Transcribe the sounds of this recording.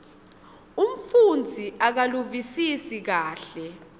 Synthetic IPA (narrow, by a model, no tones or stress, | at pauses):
um̩fund͡zʱiʔak̬aluvisisik̬aːɬɛ